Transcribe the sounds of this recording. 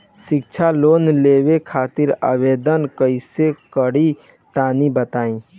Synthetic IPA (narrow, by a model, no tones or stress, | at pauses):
sɪk̚t͡ʃʰaloːnleːʋekʰaːt̪ɪɾa̰ʋeːd̪ənkəisekəɽi | t̪aːnibət̪aːĩ